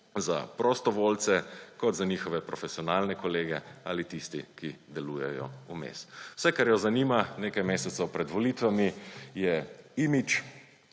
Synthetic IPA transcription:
za̰pɾɔst̪ɔʋoːlt̪sɛkɔd̪zaniːxɔʋɛpɾɔfɛsiɔnaːlnɛkɔleːɡɛaːlit̪ist̪ikid̪ɛlujɛjɔ̰umḛswsɛkaɾjɔzaniːmaneːkajmeːsɛt̪səwpɾɛd̪ʋɔliːt̪ʋamijɛimit͡ʃ

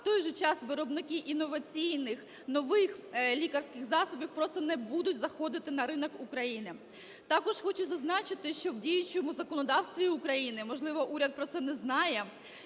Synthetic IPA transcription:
t̪ɔjʒɛt͡ʃɑsʋɪɾɔbnɪkɪʔinɔʋɐt͡sʲijnɪx | nɔʋɪxlʲikɐrsʲkɪɣzɑsɔbʲiwpɾɔst̪ɔnɛbud̪ʊtʲzɐxɔd̪ɪt̪ɪnɐɾɪnɔkukɾɐjinɪ | t̪ɑkɔʃxɔt͡ʃʊzɐznɑt͡ʃɪt̪ɪʃt͡ʃɔwdʲijʊt͡ʃɔmʊzɐkɔnɔd̪ɑwsʲt̪ʋʲiʊkɾɐjinɪmɔʒlˠɪʋɔʔuɾʲɐt̪̚pɾɔt̪sɛnɛznɑjɛ

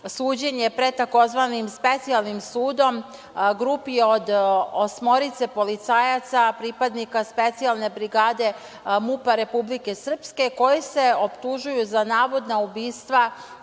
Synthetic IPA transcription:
suːd͡ʑe̞ɲepɾe̞t̪ako̞zʋanimspe̞t̪sialˠnimsuːd̪o̞m | ɡɾupio̞d̪osmo̞ɾit̪se̞po̞lit̪saːjat̪sapɾipad̪nikaspe̞t̪sialˠne̞bɾiɡaːd̪e̞ | mupaɾe̞publike̞sr̩pske̞ko̞jise̞o̞pt̪uʒujuzanaːʋo̞d̪naubiːst̪ʋa

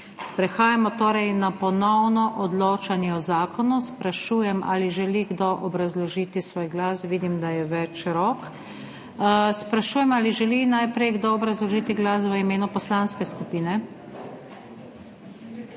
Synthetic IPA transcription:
pɾɛxaːjamɔt̪oːɾɛjnapɔnɔwnɔʔɔd̪loːt͡ʃanjɛɔzaːkɔnuspɾaʃuːjɛmʔa̰liʒɛliɡd̪oʔɔbɾazlɔʒit̪isʋoːjɡlaːsʋiːd̪imd̪ajɛʋɛt͡ʃɾɔk | spɾaʃuːjɛmaːliʒɛlinajpɾɛjɡd̪oɔbɾazlɔʒiːt̪iɡlas̬ʋəimeːnupɔslanskɛskupiːnɛ

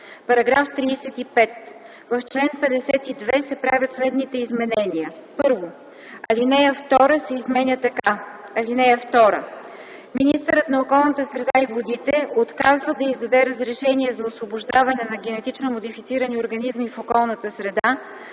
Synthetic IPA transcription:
pɐɾɐɡɾaft̪ɾiːsɛt̪ipɛt̪ | vɐft͡ʃlɛnpɛd̪ɛsɛt̪id̪vɛsɛpɾavʲət̪slɛd̪nit̪ɛizmɛnɛniəpɤɾvo | ɐlinɛjəft̪ɔɾəsɛizmɛnʲət̪ɐkaɐlinɛjəft̪ɔɾə̰ | minist̪əɾət̪nɐokɔlˠnət̪əsɾɛd̪aivod̪it̪ɛot̪kazvəd̪ɐizd̪ɐd̪ɛɾəzɾɛʃɛnʲiɛzɐosvoboʒd̪avɐnɛnɐɡ̟ʲɛnɛt̪it͡ʃnomod̪ifit̪siɾənioɾɡɐnizmifokɔlˠnət̪əsɾɛd̪a

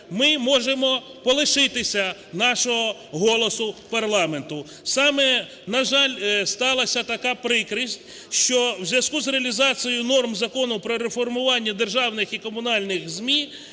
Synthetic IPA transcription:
mɪmɔʒemɔpɔlˠɪʃɪt̪ɪsʲɐnɑʃɔɦɔɦɔlˠɔsʊpɐrlˠɑme̞nt̪ʊ | sɑmɛ | nɐʒɑlʲst̪ɑlˠɐsʲɐt̪ɐkɑpɾɪkɾisʲtʲ | ʃt͡ʃɔwzʲʋʲɐskuzɾeɐlʲizɑt͡sʲijʊnɔrmzɐkɔnʊpɾɔɾefɔrmʊʋɑnʲːɐd̪erʒɑwnɪxikɔmʊnɑlʲnɪxzʲmʲi

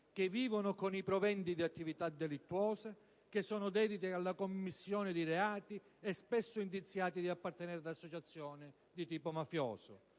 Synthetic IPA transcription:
k̟evːiːvonʊkonipɾɔvɛnd̪id̪iat̪ːivit̪ad̪ːelit̪ːwɔːse | k̟ɪsːɔːnʊd̪ɛːd̪it̪ɪalːakomːisːjɔːnɪd̪iɾeaːt̪iɛspɛsːʊind̪it̪sːjaːt̪id̪iapːart̪enɛɾad̪asːot͡ʃat̪sːjɔːnɪ | d̪it̪iːpomafjɔ̰ːsʊ̰

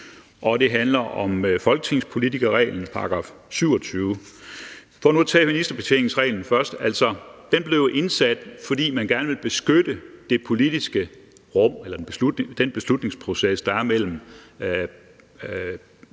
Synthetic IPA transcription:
ʔɒ̽d̥e̝ɦænlɐʔɒ̽mfɒ̽lɡ̥ət͡sʰe̝ŋspʰo̝lit͡sʰiɡ̥ɐʁɛ̰ɪːln̩pʰɑ̈ɡ̥ʁɑ̰̈ːfsyʊ̰ɒ̽t͡sʰyːʊ | fɒːnut͡sʰɛ̰ːminisd̥ɐb̥e̝t͡sʰe̝ŋ̩sʁɛ̰ːln̩fɶɐsd̥æl̰sɒd̥enb̥le̝ʊʔe̝nsæd̥fɒ̽dḭːmænɡ̥æɐnəʋe̝lb̥e̝sɡ̥ød̥əd̥e̝pʰo̝lid̥isɡ̥ə | ʁɔ̽m̰elɐd̥eb̥e̝slud̥ned̥enb̥e̝slud̥ne̝ŋspʰʁo̝sesd̥ɑ̈æɐmel̰m̩

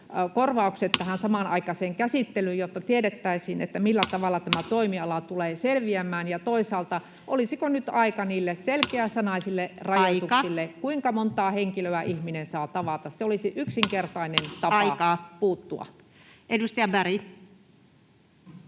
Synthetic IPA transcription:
korʋɑukset̪t̪æhænsɑmɑnɑ̰ikɑseːŋkæsit̪ːelyjot̪ːɑt̪ieɾet̪ːæisiːnḛt̪ːæmilːæt̪ɑʋɑlːɑt̪æmæt̪oimiɑlɑt̪uleːselʋiæmːˑæːnjɑt̪oisɑːlt̪ɑ | ʔolisikonyt̪ɑikɑniːlːesselkeæsːænɑisilːerɑjɑt̪ukssilːekuiŋkɑmont̪ɑːheŋkiløæʔihminensɑːt̪ɑʋɑt̪ɑsseolisiʔyksiŋkert̪ɑinent̪ɑpɑkɑpuːt̪ːuɑ̰ | edust̪ɑjɑbæɾi

